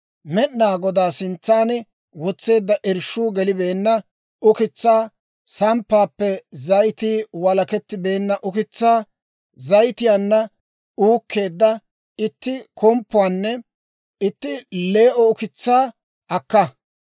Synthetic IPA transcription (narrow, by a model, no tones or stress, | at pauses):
mɛɗnaːɡɔd̪aːsɪnt͡sːaːnɛ | wɔt͡sːe̞ːd̪ːɐʔɪɾʃuːɡɛlɪbeːnːɐ | ʔʊkɪt͡sːaː | sɐmpːaːpːɛzɐjt̪iːwɐlɐkɛt̪ːɪbe̞ːnːɐʔʊkɪt͡sːaː | zɐjt̪ɪjaːnːɐ | uːkʰːe̞ːd̪ːɐ | ɪt̪ːɪkɔmpːʊwaːnːɛ | ɪt̪ːɪleːʔɔʊkɪt͡sːaː | ɐkːɐ